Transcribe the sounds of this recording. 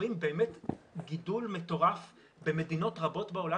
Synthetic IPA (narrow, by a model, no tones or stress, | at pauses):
imbe̞ːmetɡidulme̞to̞ʁaf | be̞me̞dino̞tʁabo̞tbeola